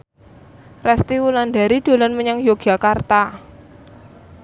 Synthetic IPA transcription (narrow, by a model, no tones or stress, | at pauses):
rɛst̪iwulandaɾid̪̥o̤lanməɲaŋjoɡ̥a̤kart̪a